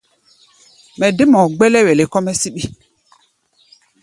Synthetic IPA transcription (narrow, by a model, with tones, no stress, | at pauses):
mɛ˨de˦mɔ˨ɡ͡bɛ˦lɛ˦wɛ˨le˨kɔ˦mɛ˦si˦ɓi˦